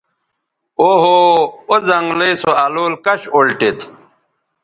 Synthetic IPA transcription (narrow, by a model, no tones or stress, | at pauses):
oɦoozɐŋɡlejsoaloːlkɐɕolʈet̪